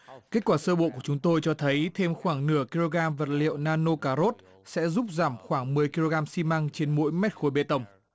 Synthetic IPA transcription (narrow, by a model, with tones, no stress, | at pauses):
ka˦˥k̚kwaː˧˩səː˧ɓo̰˧˨ku˧˩ət͡ɕʊ˨˦ŋ͡mt̪o˧jt͡ɕɔ˧t̪ʰə˨˦jt̪ʰe˧mxwaː˧˩ŋnɨ˧˩əki˧lo˧ɣaː˧mvə˨˩t̚lḭ˧˨ə˨wnaː˧no˧kaː˧ɾo˦˥t̚ | sɛ̰˧˥zu˦˥p̚zaː˧˩mxwaː˧˩ŋmɨ˨˩əjki˧lo˧ɣaː˧msi˧ma˧ŋt͡ɕe˧nmo̰˧˥jmɛ˦˥t̚xo˨˦jɓḛ˧˨t̪ə˧˩wŋ͡m